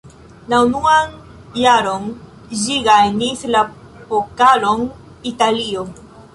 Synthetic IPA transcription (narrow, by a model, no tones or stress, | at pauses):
launuan | jaɾon | d͡ʒiɡajnisla | pokalon | italio